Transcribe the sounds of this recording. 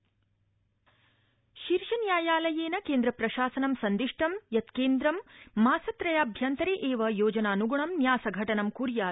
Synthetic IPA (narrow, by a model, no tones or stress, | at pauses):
ʃiɾʃɐnjaːjaːlɐjeːnɐkeːnd̪ɾɐpɾɐʃaːsɐnɐmsɐnd̪iʂʈʰɐmjɐt̪keːnd̪ɾɐmːaːsɐt̪ɾɐjaːbʱjɐnt̪ɐɾeːʔeːʋɐjoːd͡ʒɐnaːnuɡuɳɐmnjaːsɐɡʱɐʈɐnɐmkuːɾjaːl